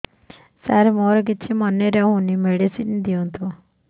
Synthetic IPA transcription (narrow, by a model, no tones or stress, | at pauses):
saɾemoɾɔk̬it͡ʃʰimɔneɾɛɦũnimeɽisind̪iɔnt̪ʰu